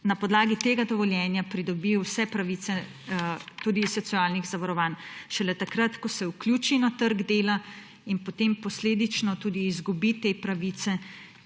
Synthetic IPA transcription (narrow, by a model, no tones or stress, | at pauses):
napɔd̪laːɡit̪eːɡad̪ɔʋɔljɛːnjapɾid̪ɔbiwsɛpɾaʋiːt̪sɛ | t̪uːd̪isɔsiaːlniɣzaʋaɾɔʋaːnʃɛlɛt̪akɾat̪kɔsɛuklʲjuːt͡ʃinat̪əɾɡd̪eːla | inpɔt̪eːmpɔsleːd̪it͡ʃnɔt̪uːd̪iːzɡubit̪eːpɾaʋit̪sɛ